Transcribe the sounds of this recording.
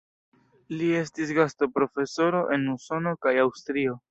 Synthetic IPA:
lie̞stis̬ɡasto̞pɾo̞fe̞so̞ɾo̞ʔe̞nuso̞no̞kajawstɾio̞

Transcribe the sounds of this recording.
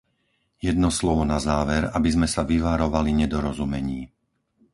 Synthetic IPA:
jɛd̪nɔslɔʋɔnazaːʋɛɾabizmɛsaʋiʋaɾɔʋaliɲɛd̪ɔɾɔzumɛɲiː

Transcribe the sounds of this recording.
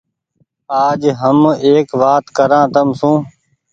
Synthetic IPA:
aːd͡ʒɦəmeːkʋaːt̪kəɾãːt̪əmsũː

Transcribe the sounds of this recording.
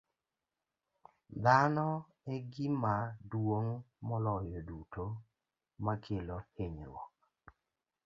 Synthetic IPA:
d̪anɔ | eɡɪmadwoŋmɔlɔjɔduto | makʰeloheɲɾwɔ̰k̚

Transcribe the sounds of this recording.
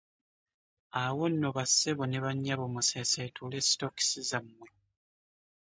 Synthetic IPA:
awonːoβasːeβone̞βaɲːaβomuseseːtʰule̞si̥toki̥sizamːe

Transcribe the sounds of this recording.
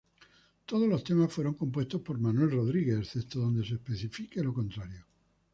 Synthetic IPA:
t̪oð̞olo̞st̪e̞masfweɾo̞ŋko̞mpwe̞st̪ospo̞ɾmanwe̞lroðɾiɣe̞sθet̪oðo̞nd̪e̞seːspeθifikelo̞kõnt̪ɾaɾjo

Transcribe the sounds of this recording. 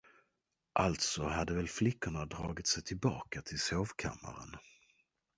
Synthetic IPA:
ʔalt̪sɔɦad̪ːəvɛlflɪkːʊɳad̪ɾɑːɡɪt̪sɛjt̪ʰɪlbɑːkat̪ʰɪlsoːvkʰa̰mːa̰ɾə̰n

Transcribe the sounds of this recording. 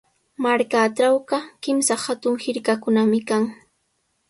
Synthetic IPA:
maɾkaʈ͡ʂawɢɑkɪmsahat̪ʊŋhɪɾkakʊnamɪkaŋ

